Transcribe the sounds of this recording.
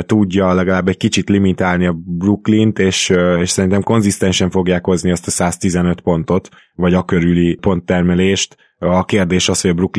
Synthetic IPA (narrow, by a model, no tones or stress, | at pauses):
t̪uɟːɒlɛɡɒlaːbːɛɟ̚kit͡ʃit̪limit̪aːlniɒbruklint̪eːʃeːʃsɛɾint̪ɛmko̞nzist̪ɛnʃɛɱfo̞ɡjaːkho̞zniɛst̪ɒsaːst̪izɛnø̞t̪po̞n̪t̪o̞t̪ | vɒɟɒkø̞ɾylipo̞nt̪ːɛrmɛleːʃt̪ | ɒkeːrd̪eːʃɒsho̞ɟɒbruk